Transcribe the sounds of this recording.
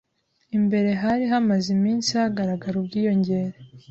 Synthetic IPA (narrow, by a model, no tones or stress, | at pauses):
imbe̞ɾe̞ɦaɾiɦamazimiːnsiaɡaɾaɡaɾubɟiːjo̞ɲɟe̞ɾe